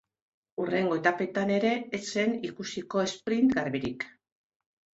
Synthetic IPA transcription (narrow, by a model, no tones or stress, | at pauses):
ure̞ŋɡo̞e̞t̪ape̞t̪ane̞ɾe̞ːt͡se̞nikusiko̞e̞spɾint̪ɡaɾβiɾḭk